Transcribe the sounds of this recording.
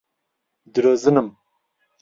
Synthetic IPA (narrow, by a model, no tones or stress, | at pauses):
d̪ɨɾoːzɨnɨm